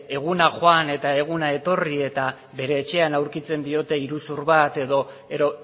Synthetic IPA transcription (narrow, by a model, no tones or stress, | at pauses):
e̞ɣ̞unaxoane̞t̪ae̞ɣ̞unae̞t̪o̞rie̞t̪a | βe̞ɾe̞ːt͡ʃe̞anawɾkit͡se̞nd̪io̞t̪e̞iɾusuɾβat̪e̞ðo̞ | eɾo̞